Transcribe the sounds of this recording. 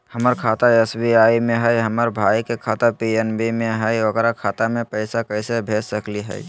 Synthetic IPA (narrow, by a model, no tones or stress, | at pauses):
həməɾkʰaːt̪aɛsbiaːimẽɦɛjɦəməɾbʱaːikekʰaːt̪apiɛnbimẽɦɛjʋəɡɾakʰaːt̪amẽpəɪsakəɪsebʱeːssəkliɦɛ̰ɪ